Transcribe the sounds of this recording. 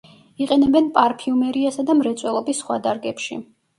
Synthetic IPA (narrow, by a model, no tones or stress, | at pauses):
iqʼɛnɛbɛnpʼaɾpʰiumɛɾiasad̪amɾɛt̪sʼwɛlˠɔbisːχwa̰d̪aɾɡɛpʃḭ